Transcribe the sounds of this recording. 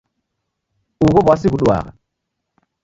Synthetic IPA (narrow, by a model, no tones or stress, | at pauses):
uɣobas̬iɣuɗua̰ɣa̰